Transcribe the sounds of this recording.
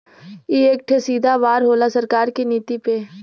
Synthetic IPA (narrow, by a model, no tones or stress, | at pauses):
ieːk̚ʈʰesiːd̪ʱaʋaːɾɦoːlasɐɾkaːɾkiniːt̪ipeː